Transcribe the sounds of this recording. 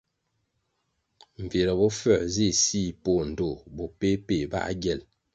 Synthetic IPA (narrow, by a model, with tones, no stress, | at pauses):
ɱ̩˨ve˨ɾə˨bɔ˦fɛ˦˨zi˦˨si˦˨po˦˨n̩˨do˦˨bo˨pe˦pe˨ba̰˦ʔa̰˦ɡjɛ˨l